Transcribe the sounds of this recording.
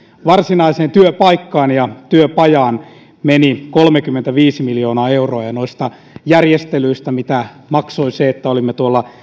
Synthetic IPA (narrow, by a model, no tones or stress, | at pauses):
ʋɑrsinɑiseːnt̪yøpɑikːɑːnjɑt̪yøpɑjɑːn | menikolmekymːent̪æʋiːsimiljoːnɑːeuroɑjɑnoist̪ɑ | jærjest̪elyist̪æmit̪æ | mɑksoiseet̪ːæolimːet̪uolːɑ